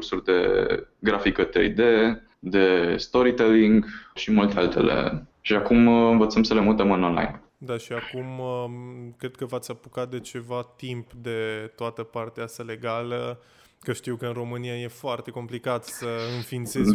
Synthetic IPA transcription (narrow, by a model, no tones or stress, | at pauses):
ursurʲd̪e̞̰ɡɾafikət̪ɾḛjd̪e̞ | d̪e̞st̪o̞ɾit̪eliŋɡʃimult̪ealt̪e̞̰le̞̰ʃiakumɨnvət̪səmsəlemut̪emɨno̞nla̰jn | d̪aʃiakum | kɾe̞d̪̚kəvat̪sʲapukat̪̚d̪e̞t͡ʃe̞vat̪impd̪e̞t̪oat̪əpart̪east̪ale̞ɡalə | kəʃt̪iwkəɨnro̞mɨniaje̞foart̪e̞ko̞mplikat̪səɨnfint̪ses